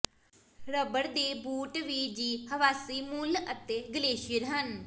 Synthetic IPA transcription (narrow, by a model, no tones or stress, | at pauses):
ɾəbəɾd̪eːbuːʈʋiːd͡ʒiːhəʋaːsiːmulət̪eːɡəleːʃɪəɾɦən